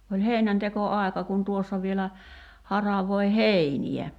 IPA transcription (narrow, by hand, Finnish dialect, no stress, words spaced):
olʲ heˑinæntekoɑˑi̞kɑ kun tuosːɑ ʋielæ hɑrɑʋoi heiniæ